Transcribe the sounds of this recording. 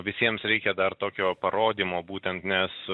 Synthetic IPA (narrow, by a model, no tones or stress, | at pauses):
ʋʲɪsʲiɛmsɾʲɛɪkʲɛd̪ɐrt̪oːkʲoːpɐɾoːd̪ʲiːmoːbuːt̪ʲɛnt̪nʲɛs